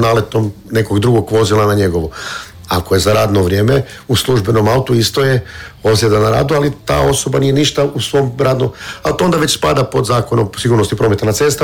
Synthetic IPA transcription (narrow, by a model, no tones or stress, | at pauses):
nale̞t̪om | ne̞ko̞ɡd̪ɾuɡo̞ɡʋo̞zilˠanaɲe̞ɡo̞ʋu | a̰koje̞zaɾaːd̪no̞ʋɾje̞ːme | uslˠuʒbe̞no̞maut̪uist̪o̞jeo̞bzjed̪anaɾa̰ːd̪ualit̪a̰ːo̞so̞banije̞niʃt̪ausʋo̞mɾaːd̪nomat̪oond̪aʋe̞t͡ɕspa̰d̪apo̞d̪zaːko̞nomsiɡuːɾnost̪ipɾo̞met̪anat̪se̞st̪a